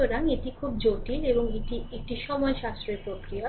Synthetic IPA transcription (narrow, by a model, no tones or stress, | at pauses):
oɾaŋeʈikʰub̚d͡ʑoʈileboŋeʈiek̚ʈiʃɔmɔeʃast̪ɾepɾokɾio